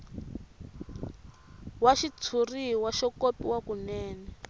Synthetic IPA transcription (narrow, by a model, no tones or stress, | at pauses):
waʃit͡sʰuriwaʃɔkopiwakunɛːnɛ